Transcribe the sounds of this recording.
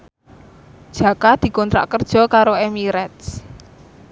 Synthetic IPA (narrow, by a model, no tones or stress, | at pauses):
d̥ʒ̥ä̤kad̪̥i̤kɔnt̪ɾa̰ʔkərd̥ʒ̥ɔ̤kaɾoemiɾɛt̪s